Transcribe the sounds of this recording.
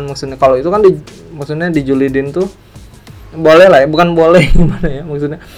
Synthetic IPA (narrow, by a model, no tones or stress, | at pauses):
nmaksut̪ɲakaloit̪ukandimaksut̪ɲadid͡ʒulidɪnt̪ʊ | bolɛhlahjabukanbolɛhɡimanajamak̚sut̪ɲa